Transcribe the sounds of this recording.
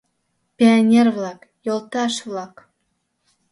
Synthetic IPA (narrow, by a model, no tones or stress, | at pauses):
pʲionʲervlˠɑk | jolˠt̪ɑʃvlˠɑk